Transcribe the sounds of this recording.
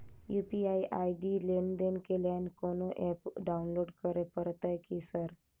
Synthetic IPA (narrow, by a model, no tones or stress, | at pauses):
jupiajʔajɖilenɖ̪enkeljankonoʔɛpɖaunloɖkəɾepəɾt̪ajkisəɾ